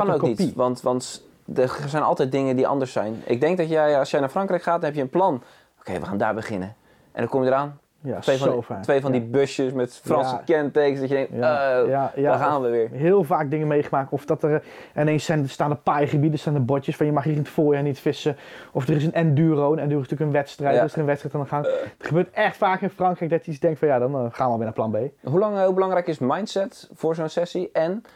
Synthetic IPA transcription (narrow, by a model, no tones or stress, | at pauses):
kɔnoːknitpiʋɑntʋɑnt | dəsɛjnɑ̰lˠtɛjt̚dɪŋəndiʔɑ̰ndəɹsɛjnʔɪ̰ɡ̚dɛŋk̚dɔtjɛjɑsjɛjnaːfrɔŋkrɛjkχaːt̚dɔnɦɛpjəənplɑn | okʰejʋəχaːnda̰ːɹbəχɪnə | ʔɛ̰ndɔkomjədəraːn | jaʋejfɔofaːtʋejfɔndibøsjəsmɛtfrɑnsəkɛnteksdɔtjədɛŋktjojajaəxaːnʋəʋɪːɹɦɪːlˠvaːk̚dɪŋənmejχəmaːk̚tɔfdɔtərɪnensɛnstaːndəpajχəbidəstaːndəbɔtjəsfɔnjəmɑχirəntfoːɹjaːnitfɪsəɔfdərɪsənɛndyːrownɛndyːɪsətyːləkənʋɛtstrɛjtdrɪsərənʋɛtstrɛjtfandəχaŋdəχəbøːɹtɛχtfaːkɪnfrɑŋkrɛjk̚dɔtjəisdɛŋktfɔnjadɔnχaːnʋəɔlʋɪnaːplɑnbejɦulɑŋɪːlˠbəlɑŋrɛjkɪsmajntsɛtfʊːɹzownsɛsiɛn